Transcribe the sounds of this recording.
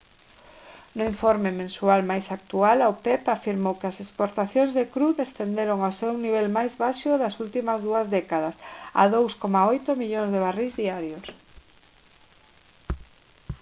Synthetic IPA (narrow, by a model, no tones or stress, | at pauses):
nʊiɱfoɾmemẽnsualmajsak̚t̪ualawpɛpafiɾmowkɪɐsespoɾt̪aθjõŋzðekɾuðest̪end̪eɾoŋaosewniβɛlmajzβaʃʊðɐsult̪imɐzðuɐzðɛkaðɐsa̰ðowskomaojt̪ʊmiʎõŋzðeβarizðiaɾjos